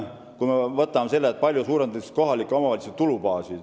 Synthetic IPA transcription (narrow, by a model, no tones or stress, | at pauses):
kumevɤt̪ːˑɑmese̞lːet̪̚pɑlʲjusuːɾend̪eko̞ɦɑlikːˑo̞mɑvɑliset̪ːulupɑːsi̥